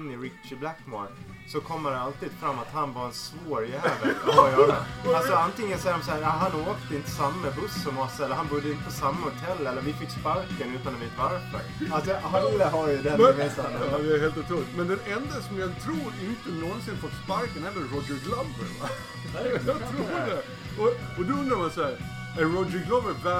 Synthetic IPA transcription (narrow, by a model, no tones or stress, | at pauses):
nːɪɾɪtt͡ʃɪblækma̰ɾk | sɔkʰɔmːəɾɛalt̪iːd̪fɾamːat̪hanvaɾɛnsvoːɾjæːvjɑ̰alsɔant̪ɪŋːənsaæɾɔmshæːɾaɦanoːkt̪əɪnt̪ə̥samːamɛbɵsːɔmɔsːɛlːəɾhanbɵd̪ːəɪnt̪əpʰɔsamːahʊt̪ʰɛlːɛlːəɾvɪfɪkːspaɾkənʉ̟ːt̪anɛveːt̪vaɾfə̰ɾals̬ɔhalaɦajəd̪ɛmvisaɑjaɛɾheːlt̪ʊt̪ʰɾulɪt̪mɛnd̪ɛnɛnd̪asɔmjat̪ʰɾuːɾɪnt̪ənɔnsɪnfɔspaɾkənɛld̪əɾɔd͡ʒəɡlambəɾva | at̪ʰɾuːdɛ | ɔɔd̪ɔɵnd̪ɾamansæːɾ | ɛɾɔdɾɪɡlɔbəbɛ